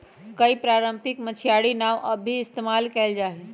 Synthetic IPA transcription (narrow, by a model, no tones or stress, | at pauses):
kəipɾaːɾəmpɪkmət͡ʃʰijaɽinaʋʔəbʱiɪst̪emaːlkɛːld͡ʒaːɦɛ